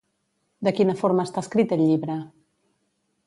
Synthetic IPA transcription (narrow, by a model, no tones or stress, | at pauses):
d̪əkinəfoɾməːst̪aəskɾit̪əʎːiβɾə